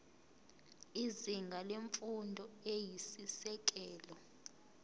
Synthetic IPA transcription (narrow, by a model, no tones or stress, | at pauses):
iziŋɡʱaleɱfundʱɔejisisɛk̬ɛːlɔ